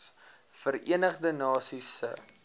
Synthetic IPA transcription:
s | fərḭənəχdənɑːsisə̰

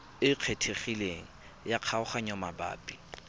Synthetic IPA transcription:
ɪq͡χʰetʰeχileŋ̩ | jaq͡χʰaʊχaɲɔmaba̰ːpʼi̥

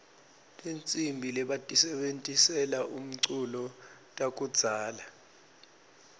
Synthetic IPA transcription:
lʼent͡sʼimbʱilɛɓatʼisɛɓentʼisɛlaʔum̩ǀulɔtʼak̬ʼud̥z̥ʱaːla

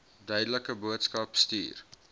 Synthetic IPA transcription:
dœɥdələkəbuətskɐpstḭːr

